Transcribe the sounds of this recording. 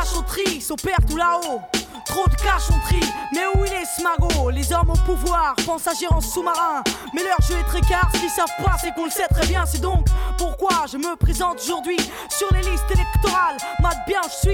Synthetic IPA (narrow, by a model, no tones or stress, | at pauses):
aʃɔ̃t̪χisɔ̃pɛʁt̪ulao | t̪χod̪əkaʃɔ̃t̪χimɛuilɛsmaɡolezaʁmopuvwaʁpɑ̃saʒeʁɑ̃ssumaʁɛ̃ | mɛlœʁʒəɛt̪χɛkaʁsə̥kʲilsavkχwaʁsɛkɔ̃ləsɛt̪χɛbjɛ̃sɛd̪ɔ̃kpuʁkwaʒəməpχezɑ̃t̪oʒuʁd̪ɥi | syʁlelist̪elɛkt̪ɔʁalmad̪̚bjɛ̃ʒəsɥi